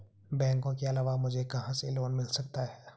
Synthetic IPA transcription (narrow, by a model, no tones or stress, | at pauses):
bɛ̃ːŋkõkeɐlaːʋamʊd͡ʒʱekɐɦãseloːnmɪlsɐk̚t̪aɦɛː